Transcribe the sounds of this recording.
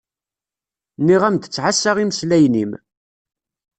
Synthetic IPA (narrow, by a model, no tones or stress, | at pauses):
niʁæmd̪ət͡sːʕasːaʁimslæjnim